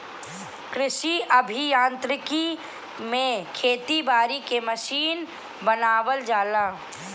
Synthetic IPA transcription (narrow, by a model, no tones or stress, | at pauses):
kɾɪʃiʔɐbʱijãːnt̪ɾɪki | mẽkʰeːt̪ibaːɾikeməʃiːn | bənaːwəld͡ʒaːlaː